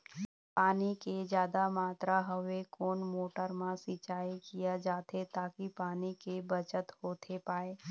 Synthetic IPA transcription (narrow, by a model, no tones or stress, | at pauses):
paːniked͡ʒjaːd̪amaːt̪ɾaɦəʋekoːnmoːʈəɾmãsɪt͡ʃaːikijad͡ʒaːt̪ʰet̪aːkipaːnikebət͡ʃət̪hoːt̪ʰepaːeː